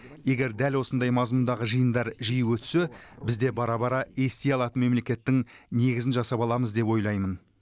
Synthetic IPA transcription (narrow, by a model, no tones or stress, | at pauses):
je̞ɡʲe̞ɾd̪ælwo̞sənd̪ɑjmɑzmund̪ɑʁəʒəjənd̪ɑɾʒijuwɵt̪se̞bɪzd̪e̞bɑɾɑbɑɾɑe̞st̪ejɑlˠɑt̪ənme̞mlekʲe̞t̪ːɪŋne̞ɡʲɪzɪnʒɑsɑpɑlˠɑməzd̪e̞pwo̞jlˠɑjmən